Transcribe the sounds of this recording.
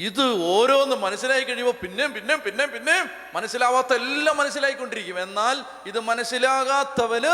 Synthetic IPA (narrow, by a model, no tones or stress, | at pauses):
iðɨoːɾo̞ːnːɨmɐnɐsːilaːjikːɐɻijumɐpinːepinːepinːepinːe̞ | mɐnɐsːilaːʋaːt̪ːɐelːɐmːɐnɐs̬ːilaːjikːo̞ɳɖiɾikʲːume̞nːaːl | iðɨmɐnɐsːilaːɣaːt̪ːɐʋɐn